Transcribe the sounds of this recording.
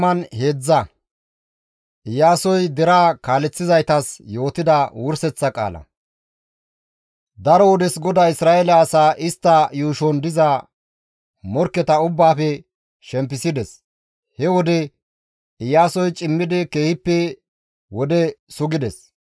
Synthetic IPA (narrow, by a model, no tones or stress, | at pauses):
mɐnhe̞ːd͡zːɐ | ʔɪjaːsɔjd̪ɛɾaːkaːlɛt͡sːɪzɐjt̪ɐsjo̞ːt̪ɪd̪ɐwʊɾsɛt͡sːɐkʼa̰ːlɐ̰ | d̪ɐɾɔwɔd̪ɛsɡɔd̪aːɪsɾaːʔɛlɐːsaːʔɪst̪ːɐjuːʃɔnd̪ɪza | mɔɾkːɛt̪ɐʊbːaːfɛ | ʃɛmp̬ːɪsɪd̪ɛs | hɛwɔd̪ɛ | ɪjaːsɔjt͡ʃʼɪmːɪd̪ɪke̞ːhɪpːɛ | wɔd̪ɛsʊɡɪd̪ɛs